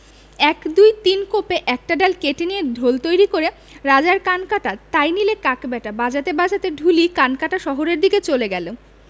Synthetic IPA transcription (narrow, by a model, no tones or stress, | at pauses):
ɛkd̪ujt̪inkopeʔɛk̚ʈaɖalkeʈenied̪ʱolt̪ojɾikoɾe | ɾad͡ʑaɾkankaʈat̪ajnilekakbɛʈabad͡ʑat̪ebad͡ʑʱat̪eɖʱulikankaʈaʃɔɦoɾeɾd̪iket͡ɕoleɡɛlo